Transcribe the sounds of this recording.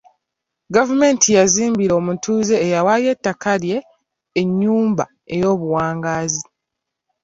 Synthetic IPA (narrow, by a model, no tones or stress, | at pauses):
ɡavume̞ntʰijaziːmbiɾoːmutʰuːze̞ːjawajetːakalje̞ː | ɲːuːmba̰ | e̞jo̞ːβuwaːŋɡaːzi